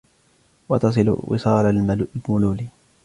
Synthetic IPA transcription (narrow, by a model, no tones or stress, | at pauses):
wɑt̪ɑs̬ˤɨl̰wɪ̰sˤɑːlalmʊluːli